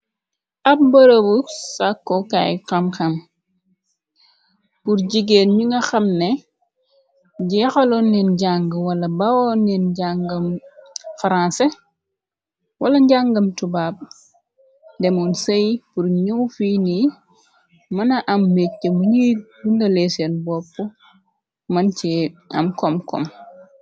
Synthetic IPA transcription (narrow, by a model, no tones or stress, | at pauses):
ʔɐp̚bɐɾɐbusakːɔkajxɐmxɐm | puɾɟiɡenɲuŋɡɐxɐmnɛ | ɟɛxɐlɔnːɛnɟaŋɡəwɐlɐbɐwɔnːinɟaŋɡɐmfaɾansɛ | wʔɐlɐɲɟaŋɡɐmtubaːb̚ | dɛmɔnsɐjpurɲuwfiːni | mɐnɐʔɐmːek̚ːəmɐɲiɡundɐlɛːsɛnbɔpːɔ | mɐncɛɐ̰mkɔmkɔ̰m